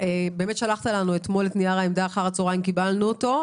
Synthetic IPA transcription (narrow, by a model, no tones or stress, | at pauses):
ebe̞ːme̞t̪ʃalaχt̪alanuet̪mo̞let̪niaʁaemd̪aːχaʁat͡soʁaimkibalnuoto̞